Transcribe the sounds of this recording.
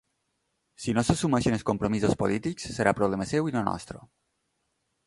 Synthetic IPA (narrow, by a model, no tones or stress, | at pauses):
sinosəsumaʃənəskompɾomizəspolit̪iksːəɾapɾoβlɛməsɛwinonɔ̰st̪ɾo̰